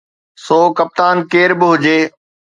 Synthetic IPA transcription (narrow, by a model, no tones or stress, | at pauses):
soːkɐp̚t̪aːnkeːɾbɪɦʊd͡ʑeː